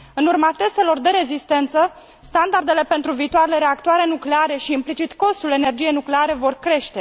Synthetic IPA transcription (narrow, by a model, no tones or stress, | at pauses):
ɨnurmat̪e̞st̪e̞lo̞rd̪e̞ɾe̞zist̪e̞nt̪sə | st̪and̪ard̪e̞le̞pe̞nt̪ɾuviːt̪oaɾele̞ɾe̞akt̪oaɾe̞nukle̞aɾe̞ʃiːmplit͡ʃit̪ko̞st̪ule̞ne̞rd͡ʒijenukle̞aɾe̞vo̞rkɾe̞ʃt̪e̞